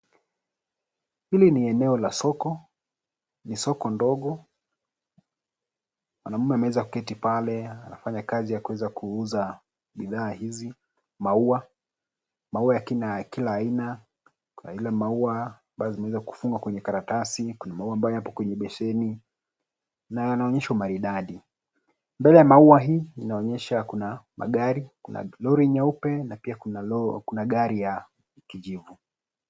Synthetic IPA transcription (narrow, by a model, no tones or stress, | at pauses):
hiliniɛnɛɔlasɔkɔ | nisɔkɔndɔɠɔ | mwanamumɛamɛɛzaku̥kɛtipalɛanafaɲakazijakuwɛzakʰuuza | ɓiðaːhizi | maua | mauajakinakilaːina | kuna̰ilamaua | ɓazimɛwɛzaku̥fuŋɡakwɛɲɛkaɾatasikunamauwaːmbajɔjapɔkwɛɲɛɓɛʃɛni | najanaɔɲɛʃaumaɾiɗaɗi | mbɛlɛjamauaɦiːinaɔɲɛʃakunama̰ɠaɾikuna̰lɔɾiɲaupɛnapiakunkunaɠaɾija | kiʄivu